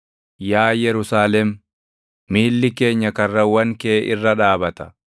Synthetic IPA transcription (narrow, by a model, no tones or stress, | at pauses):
jaːjɛɾʊsaːlɛmː | iːlːɪke̞ːɲːɐkɐrːɐwɐŋkeːʔɪrːɐᶑaːbɐt̪ɐ̥